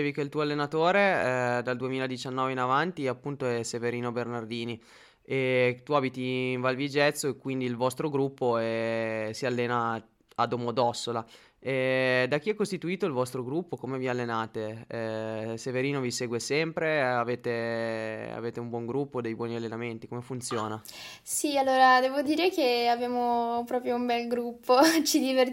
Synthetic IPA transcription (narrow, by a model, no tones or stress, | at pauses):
t͡ʃevikeilt̪uːoalːenat̪oːɾed̪ald̪uemiːlad̪it͡ʃanːɔːveinavant̪iapːunt̪oɛseveɾiːnobernard̪iːni | et̪uaːbit̪iɱvalvid͡ʒɛt̪sːoekːwind̪iːlvɔst̪ɾoɡɾupːoɛsialːeːna | ad̪omod̪ɔsːola | ɛd̪ak̟iɛkːost̪it̪uiːt̪oilvɔst̪ɾoɡɾupːokomevialːenaːt̪e | seveɾiːnoviseːɡwesɛmpɾeaveːt̪e | a̰veːt̪eumbwɔŋɡɾupːod̪ejbwɔːnialːenament̪ikomefunt̪sjoːnasialːoːɾad̪ɛːvod̪iːɾekeavjaːmopɾɔːpɾjoumbɛlɡɾupʰːot͡ʃid̪iver